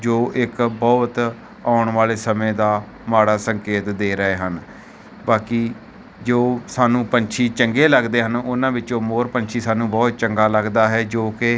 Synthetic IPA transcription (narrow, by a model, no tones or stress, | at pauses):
d͡ʒoːʔɪkbɔːt̪ | aːʊɳʋaːleːsəmẽːd̪aː | maːɽaːsəŋkeːt̪d̪eːɾəeːɦən | baːkiː | d͡ʒoːsaːnũːpəɲt͡ʃʰiːt͡ʃəŋɡeːləɡd̪eːɦənʊnãːʋɪt͡ʃõːmoːɾpəɲt͡ʃʰiːsaːnũːbɔːt̪̚t͡ʃəŋɡaːləɡd̪aːɦɛːd͡ʒoːkɪ